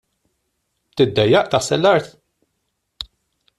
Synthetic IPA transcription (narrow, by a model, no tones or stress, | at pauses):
b̚t̪ɪd̪ːɛjːɐʔt̪ɐħsɛlːɐɾt̪